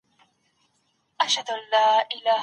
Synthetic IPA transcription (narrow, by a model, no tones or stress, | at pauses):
ʔaʃhad̪ʊʔalːaːʔɪlaːh